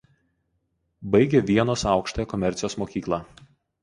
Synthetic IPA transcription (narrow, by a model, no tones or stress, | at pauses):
bɐɪɡʲɛʋʲiɛnoːsɑˑʊkʃt̪oːjɛkɔmʲɛɾʲt̪sʲɪjoːsmoːkʲiːklˠɑː